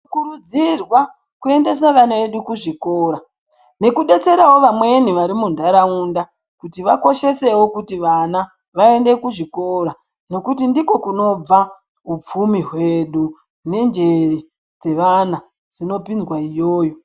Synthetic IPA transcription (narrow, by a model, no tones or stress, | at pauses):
kuɾud͡zirwa | kue̞nde̞s̬aʋanaʋe̞ɗukuʐiko̞ːɾa | ne̞kuɗe̞t͡se̞ɾawo̞ʋamwe̞niʋaɾimundʱaɾaunda | kutiʋako̞ʃe̞se̞wo̞kutiʋana | ʋae̞nde̞kuʐiko̞ɾa | no̞kutindiko̞kuno̞b͡va | up͡fumiɦwe̞ɗu | ne̞nd͡ʒe̞ri | d͡ze̞ʋana | d͡zino̞pind͡zwaijoːjo̞